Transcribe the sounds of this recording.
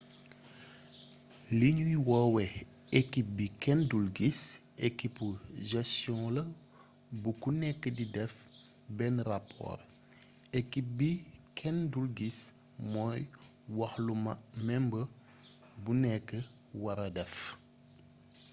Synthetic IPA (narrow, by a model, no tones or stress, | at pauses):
liɲwiwɔwɛ | ekip̚bikɛndulɡisekipːuʒɛstjɔ̃lɐ | bukunɛkːədidɛf | bɛnrapʰːɔ̰ːr | ekip̚bikʰɛndulɡis | mɔːj | wɐxlumɐmɛmbə | bunɛkːə | wɐɾɐdɛf